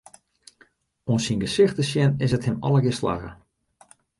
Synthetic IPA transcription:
onsinɡəsɪxtəsjɪnɪsəthɪmɔ̰ləɡɪsla̰ɣə̰

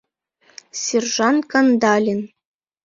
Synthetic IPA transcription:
sʲerʐɑnkɑnd̪ɑlʲin

